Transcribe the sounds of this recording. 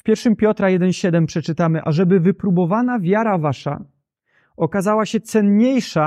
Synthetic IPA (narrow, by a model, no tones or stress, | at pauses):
fpʲjɛɾfʂɘmpʲjɔt̪ɾajɛd̪ɛnɕɛd̪ɛmpʂɛt͡ʂɘt̪amɘʔaʐɛbɘvɘpɾubɔvanavʲjaɾavaʂa̰ | ɔkazawaɕɛt̪sɛnɲejʂa